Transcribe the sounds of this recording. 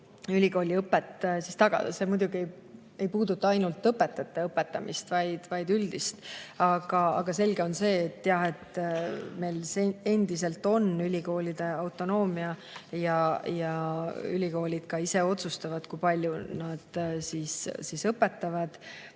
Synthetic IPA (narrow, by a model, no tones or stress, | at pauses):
ylʲiko̞ːlʲiɤpːˑet̪ːsist̪ɑɡ̥ɑ̰d̪ɑ̰se̞mujd̪ʲuɡ̥ie̞j | e̞jpuːd̪ut̪ˑːɑɑjnult̪ːɤpːˑe̞t̪ːˑɑt̪ːˑɑɤpːˑe̞t̪ːˑɑmist̪vɑjd̪̥vɑjd̪yld̪ist̪ɑɡ̥ɑɑ̰ɡ̥ɑse̞lɡ̥e̞o̞nse̞ːt̪ːjɑhe̞t̪me̞jlsee̞nd̪ise̞lt̪ːo̞nylʲiko̞ːlʲid̪̥e̞ɑwt̪ːˑo̞no̞ːmiɑjɑjɑy̰lʲiko̞ːlʲid̪̥kɑise̞o̞t̪sust̪ɑvɑd̪̥kujpɑlʲjunɑd̪̥sissisɤpːe̞t̪ːɑvɑd̪̥